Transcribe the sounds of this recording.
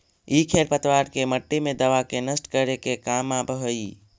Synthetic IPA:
ikʰeɾpət̪ʋaɾkeməʈːimẽd̪əʋakenəsʈkəɾekekamabəɦəi

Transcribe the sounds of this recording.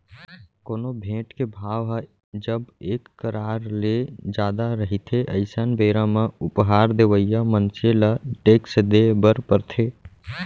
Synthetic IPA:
koːnobʱẽːʈkebʱaːʋɦə | d͡ʒəbeːkːəɾaɾled͡ʒaːd̪aɾəɦit̪ʰeʔəɪsənbeɾãmeʊpɦaːɾd̪eʋəijamənseləʈeːksd̪ebəɾpəɾt̪ʰe

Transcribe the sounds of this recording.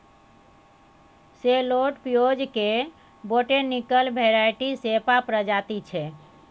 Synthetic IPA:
seloʈpijod͡ʒke | boʈenikəlbʱeɾajʈisepapɾəd͡ʒat̪it͡ʃʰɛ

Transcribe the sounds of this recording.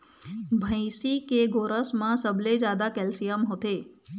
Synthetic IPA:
bʱə̃ĩsikeɡoːɾəsmãsəbled͡ʒjaːd̪akɛːlsijəmɦoːt̪eː

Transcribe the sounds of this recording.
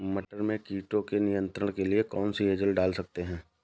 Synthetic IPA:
mɐʈəɾmẽkiːʈõkenɪjə̃nt̪ɾəɽ̃keliekɔːnsieːd͡ʒəlɖaːlsɐk̚t̪eɦɛ̃ː

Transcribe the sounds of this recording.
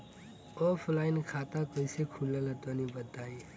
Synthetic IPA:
ɔːpʰlaːɪnkʰaːt̪akəisekʰulːalat̪anibət̪aːi

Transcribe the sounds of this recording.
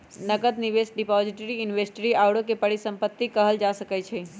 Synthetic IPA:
nəɡəd̪niʋesɖipɔd͡ʒiʈəɾiɪnʋesʈɾiawɽõkepəɽisə̃mpət̪ːikəɦəld͡ʒasəkɛt͡ʃʰɛ

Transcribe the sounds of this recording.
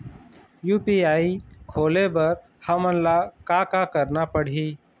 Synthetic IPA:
juːpiaːikʰoːlebɐɾ | həmənlakakakəɾnapəɽ̤iː

